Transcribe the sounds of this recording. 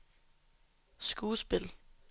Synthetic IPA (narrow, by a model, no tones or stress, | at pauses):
sɡ̥uːsb̥el